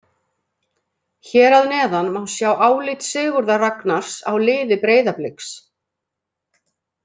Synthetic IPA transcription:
çɛːɾaðnɛːðanmawnsjaːwʔaːwlɪt̪sɪːɣʏɾðaraknaɾ̥sa̰wlɪːðɪpɾeːjðaplɪks

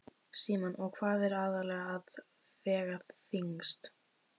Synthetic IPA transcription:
siːmanɔɣkʰvaːðɛɾaːðalɛɣaːð | vɛːɣaθiŋst̪

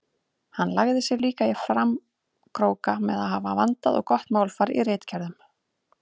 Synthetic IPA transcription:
hanːlaɣðɪsjɛɾliːkaɪfɾam | kʰɾoːwkamɛðaðɦavavant̪aðɔ̰ɣkɔht̪maːwlfaɾḭrejt̪cʰɛɾðʏm

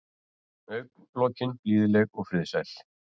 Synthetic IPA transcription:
œɥk̚nplɔːcɪnpliːðlɛɣɔɣfɾɪðsajl̥

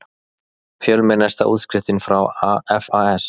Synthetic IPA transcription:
fjœlmɪnːast̪a̰ʔṵːt̪skɾɪft̪ɪnfɾawaɛfaɛs

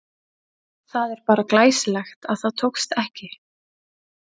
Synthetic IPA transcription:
θaðɛɾ̥paːɾaklaːjsɪlɛxt̪aðθaðt̪ʰowkst̪ɛhcɪ

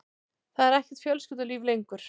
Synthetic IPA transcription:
θaðɛɾɛhcɛ̥t̪fjœlscʏt̪ʏliːvlejŋkʏɾ̥

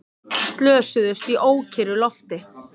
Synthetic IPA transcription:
st̪lœːsʏðʏst̪iʔoːwcʰɪɾʏlɔft̪ɪ

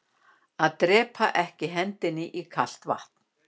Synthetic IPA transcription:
aðt̪ɾɛːpʰa̰ʔɛhcɪɦɛnt̪ɪnːɪʔikʰal̥t̪va̰ht̪n̥

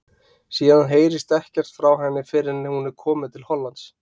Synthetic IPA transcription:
siːðanɦeːjɾɪst̪ɛhcɛr̥t̪fɾawɦɛnːɪfɪɾɪnɪhunɛɾ̥kʰɔːmɪðt̪ʰɪlhɔlːant̪s

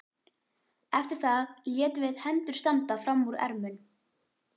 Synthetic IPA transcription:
ɛft̪ɪɾ̥θajɛːt̪vɪðhɛnt̪ʏɾ̥st̪ant̪afɾamːuɾɛ̰ɾmʏn

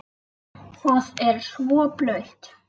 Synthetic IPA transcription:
θɔðɛɾ̥svɔplœɥht̪

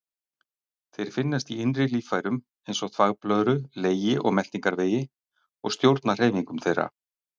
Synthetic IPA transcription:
θejɾ̥fɪnːast̪iɪnrɪliːfaːjɾʏm | ejnsɔɣθʰvaɣplœðɾʏleːjɪʔɔ̰ɣmɛl̥t̪iŋkaɾveːjɪ | ɔ̰ɣst̪jowɾt̪nar̥eːjviŋkʏmθejɾa̰

